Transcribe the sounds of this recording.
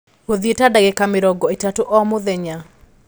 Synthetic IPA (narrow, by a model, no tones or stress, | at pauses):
oðietadaɡekamɪɾɔɡɔetatoʔɔmoðɛɲa